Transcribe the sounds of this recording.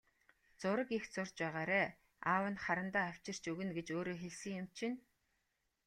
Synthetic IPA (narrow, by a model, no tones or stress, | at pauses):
t͡sʊɾə̆kixt͡sʊrt͡ɕpæːʁaːɾæː | aːwə̆nχaɾə̆nt̪aːaw̥t͡ɕɪ̆r̥t͡ɕɵɣɘ̆nɡet͡ɕoːɾoːxeɮsɘ̆ŋjʊm̥t͡ɕʰɪ̆n